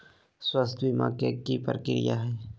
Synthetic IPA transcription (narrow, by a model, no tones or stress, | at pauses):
swəst̪ʰʋimã̰ːkekipəɾəkɪɾɪ̰ja̰ɦɛː